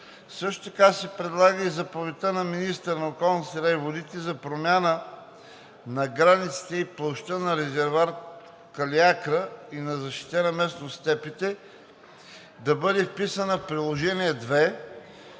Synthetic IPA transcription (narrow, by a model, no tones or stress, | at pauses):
sɤʃt̪o̥t̪ɐkasɛpɾɛd̪lˠaɡəizɐpovit̪ənɐminist̪əɾnɐokɔlˠnisɛɾaivod̪it̪ɛzɐpɾomʲjanə | nɐɡɾanit̪si̥t̪ɛiplˠoʃt̪ənɐɾɛzɛɾvaɾ | kɐliakɾəinɐzɐʃt̪i̥t̪ɛnɐmɛsnost̪ɛpit̪ɛ | d̪ɐbɤd̪ɛfpisənəfpɾilˠoʒɛniɛd̪vɛ